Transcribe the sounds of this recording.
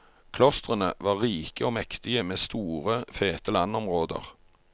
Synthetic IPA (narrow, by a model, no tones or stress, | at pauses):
kʰlɔst̪ʁənə̰ʋɑːʁiːkəoːmɛkt̪ɪəmeːst̪uːʁəfeːt̪əlɑnɔmʁoːd̪ə̰ʁ